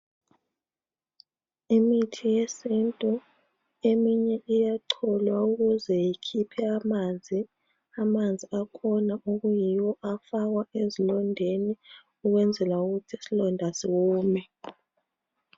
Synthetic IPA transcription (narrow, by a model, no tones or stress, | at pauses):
imitʰijesintʼu | emiɲɛʔijaǃʰɔlwauɣuzɛjikʰipʰɛamand͡zʱi | amand͡zʱiakʰɔnaʔoɣujiwɔʔafaɣ̬waezilɔndʱeni | uɣwɛnd͡zʱɛlauɣutʰisilɔndʱasiɣuːmɛ